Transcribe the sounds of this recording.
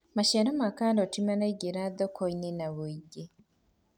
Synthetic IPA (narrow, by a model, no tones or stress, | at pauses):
maʃeɾomakandotimanaiɟeɾadokʰoinenaβuiɟe